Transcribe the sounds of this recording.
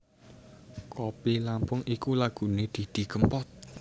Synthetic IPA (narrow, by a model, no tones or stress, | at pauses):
kʰopilampʊŋʔikulaɡ̥ṳned̪̥i̤d̪̥i̤ɡ̥əmpɔt̪̚